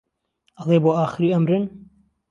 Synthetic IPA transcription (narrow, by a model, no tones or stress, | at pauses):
ɐlˠeːboːaːxɨɾiːɐmɾɨn